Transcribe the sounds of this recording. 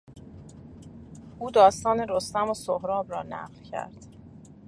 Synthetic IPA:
ʔuːd̪ɒːst̪ɒːneɾost̪æmosohɾɒːbɾɒːnæ̰ʁlcʰæ̰ɾd̪̥

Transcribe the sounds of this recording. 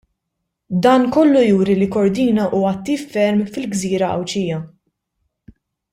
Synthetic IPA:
d̪ɐːnkɔlːujuːɾilikɔɾd̪iːnɐʔuːɐɐt̪ːiːfːɛɾmfɪlɡziːɾɐʔɐ̰wt͡ʃiːjɐ

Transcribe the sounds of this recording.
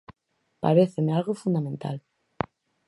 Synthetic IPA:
pa̰ɾeθemealɣofund̪amẽnt̪a̰l

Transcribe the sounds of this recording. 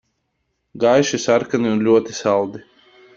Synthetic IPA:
ɡajʃisaɾkaniunlʲuɔt̪isalˠd̪i

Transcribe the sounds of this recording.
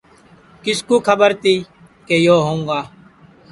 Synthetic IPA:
kɪskuːkʰəbəɾt̪iː | keːjoːɦõːŋɡaː

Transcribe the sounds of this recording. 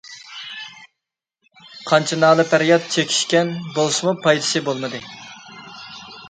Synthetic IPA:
qʰɑnt͡ʃʰinɑːlˠɨpæɾjɑt̪̚t͡ʃʰekʲʰi̥ʃkʲɛnbolˠɨʃmupʰɑjd̪ɨ̥sɨbolˠmɨd̪ɨ

